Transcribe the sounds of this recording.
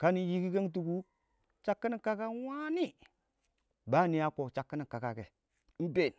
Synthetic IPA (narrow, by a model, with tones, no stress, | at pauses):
ka˦ni˨ji˦ki˦ka˦ŋt̬u˨ku˦ | t͡ʃa˨˦kːi˦ni˨ka˦ka˦wa˦ni˦ | ba˦˨ni˨˦ja˦ko˨t͡ʃa˨kːi˦ni˨ka˨ka˨ke˨˦ | m̩˦be˦˨n